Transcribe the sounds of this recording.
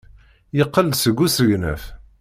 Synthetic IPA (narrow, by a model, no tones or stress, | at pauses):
jəqːəlsəɡusəʝnæ̰f